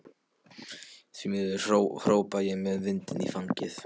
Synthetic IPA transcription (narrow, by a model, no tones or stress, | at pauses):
θvimɛɪhɾoːwpajɛɣmɛðvɪnt̪ɪnḭfaɲcɪθ